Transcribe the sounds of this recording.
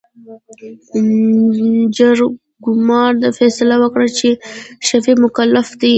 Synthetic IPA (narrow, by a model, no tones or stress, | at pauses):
d͡ʒaɾ | ɡʊmɑɾd̪afɛsɪlawəkɽat͡ʃeʃafimʊkalːafd̪i